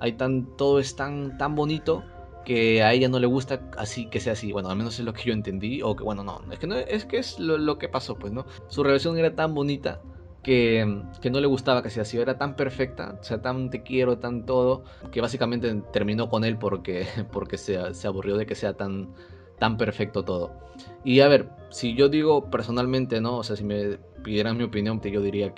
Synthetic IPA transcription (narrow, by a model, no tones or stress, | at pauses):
a̰jt̪ant̪o̞ðo̞e̞st̪ant̪ambo̞nit̪o̞ | ke̞ae̞ʝano̞le̞ɣust̪a | a̰sike̞se̞aːsiwe̞noalme̞no̞se̞zlo̞ke̞ʝo̞e̞nt̪e̞nd̪io̞keβwe̞no̞no̰eske̞noʔeskeeslolo̞ke̞paso̞pwe̞sno̞ | sure̞lasjo̞ŋe̞ɾat̪ambo̞nit̪a̰ | ke̞ke̞no̞le̞ɣust̪aβakeseasioe̞ɾat̪ampe̞ɾfe̞k̚t̪a̰se̞at̪ant̪e̞kje̞ɾo̞t̪ant̪o̞ð̞o̞ | ke̞β̞as̬ikamẽ̞nt̪e̞t̪e̞ɾmĩno̞ko̞ne̞lpo̞ɾke̞po̞ɾke̞sese̞aβurjo̞ðe̞ke̞se̞at̪an | t̪ampe̞ɾfe̞k̚t̪o̞t̪o̞ð̞o̞̰ | iaβe̞ɾ | siʝo̞ðiɣ̞o̞pe̞ɾso̞nalmẽnt̪e̞no̞ːse̞asime̞ | piðje̞ɾaŋmio̞pinjo̞nt̪eʝo̞ðiɾia